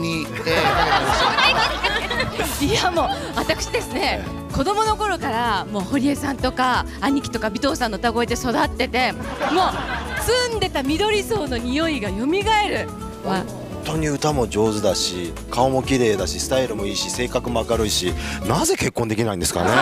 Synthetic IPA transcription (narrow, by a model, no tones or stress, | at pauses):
i | ijamo̞ | βat̪akɯ̟ɕid̪e̞sɨne̞ | ko̞d̪o̞mo̞no̞ko̞ɾo̞kaɾamo̞ːho̞ɾʲie̞sãnt̪o̞kaː | ɲ̟ikʲi̥t̪o̞kabʲit̪o̞ːsãnːo̞t̪aɡo̞ed̪e̞so̞d̪at̪ːe̞t̪e̞ | mo̞ːsɨ̃nd̪e̞t̪amʲid̪o̞ɾʲiso̞ːno̞ɲ̟ijo̞iɡajo̞mʲiɡae̞ɾɯ̟ | ahõnt̪o̞ːɲ̟iɯ̟t̪amo̞d͡ʑo̞ːzɨd̪aɕi | kʰao̞mo̞kʲiɾe̞ːd̪aɕisɨ̥t̪aiɾɯ̟mo̞iːɕise̞ːkakɯ̟moakaɾɯ̟iɕinaze̞ke̞kːond̪ekʲinaĩnd̪esɨ̥ka̰ne̞